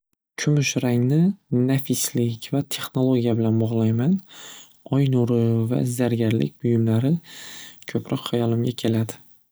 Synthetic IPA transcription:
kʲʰʊmʊʃɾaŋnɪnafɪslɪkʲvat̪ʰe̞χno̞lˠoɡʲijabɪlanbɒʁlˠajman | ɒjnʊɾɪva̰zaɾɡʲaɾlɪ̰k̚ʲbʊjʊmlaɾɪ | kʲʰɵpʰɾɒqhajɒlˠɪmɡʲakʲʰe̞lad̪ɪ

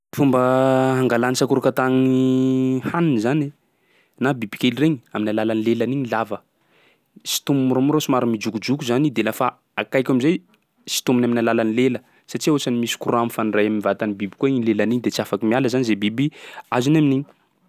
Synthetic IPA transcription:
fumbəɦaŋɡalanisakuɾukat̪aŋi | haninzane | nabibikʲelireɲiaminalalanilelaniɲilavə | si̥t̪umumuɾamuɾasimaɾamid͡ʒukud͡ʒukuzanid̪elafa | akajkʲamizaj | si̥t̪umunaminalalanilelə | saʈ͡ʂiosanimisi̥kuɾuamfanirajamimivat̪anibibi̥kuainlelaniɲd̪et͡siafakimialəzanizebibiazunaminiɲi

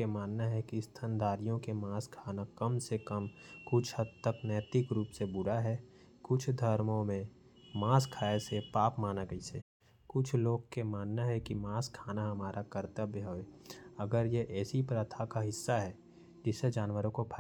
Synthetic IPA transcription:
emaːnːaɦɛkist̪ʰənd̪aːɾijõkemaːskʰaːnakəmsekəmkʊt͡ʃʰhəd̪t̪əknɛːt̪ɪkɾuːpsebʊɾaɦɛ | kʊt͡ʃʰd̪ʱəɾmõmẽ | maːskʰaːesepaːpmaːnaɡəise | kʊt͡ʃʰloːɡ̚kemaːnːaɦɛkimaːskʰaːnaɦɐmaːɾʔakəɾt̪əbjəɦoeɐɡəɾjeʔɛːsipɾət̪ʰakaɦɪsːaɦɛ | d͡ʒɪsːed͡ʒaːnwəɾõkopʰ

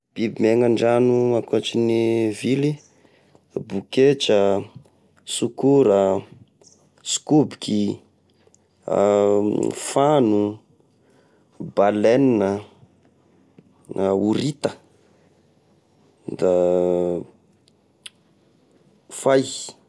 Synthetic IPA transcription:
b̥ibimeŋaɳɖ͡ʐanumakat͡ʃinivili | buket͡ʃə | sukuɾə | skubikʰi | fanu | baleninə | uɾit̪ə | d̪a | faj

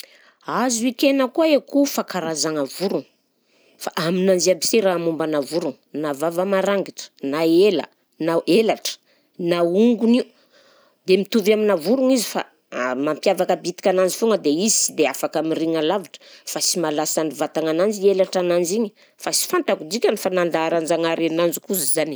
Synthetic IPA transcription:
azuikenəkuaekufakaɾazaŋavuɾuŋ | faʔaminand͡ʒiabiseɾaːmumbənavuɾuŋ | navavamaɾaŋɡiʈ͡ʂə̥naelə̰ | naʔelaʈ͡ʂə̥ | nauŋɡuniu | d̪emit̪uvaminavuɾuŋizifa̰ | mampjavakəbit̪i̥kʲananzifuŋɡəd̪eizisid̪eafakamiriŋalavaʈ͡ʂə̥fasimalasanivat̪aŋanand͡zielaʈ͡ʂanand͡ʒiɲə̥ | fasi̥fant̪akud͡ʒikʲanifanand̪aːɾand͡ʒaŋaɾenand͡ʒukuzizani̥

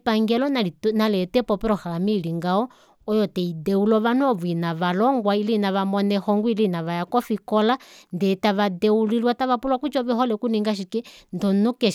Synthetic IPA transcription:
paŋɡɛlɔnaitnalɛtɛpɔpɛɾɔhamiliŋɡaɔ | ɔjɔtɛidɛulɔβanɔβuinaʋalɔŋɡwailinaʋamɔnɛhɔŋɡuilinaʋajakɔfikɔlandɛtaʋadɛulilwataβapulwakut͡ʃɔβɛhɔlɛkuniŋɡaʃ̬ikɛndɔnukɛʃ

